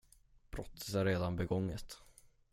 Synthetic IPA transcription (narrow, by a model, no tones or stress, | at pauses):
b̥ɾɔt̪ʰːə̥sæɾeːd̪anbɛɡɔŋːət̪